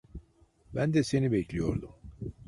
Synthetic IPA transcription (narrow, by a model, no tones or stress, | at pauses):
bænd̪ɛse̞nibɛclʲijo̞̰ɾd̪um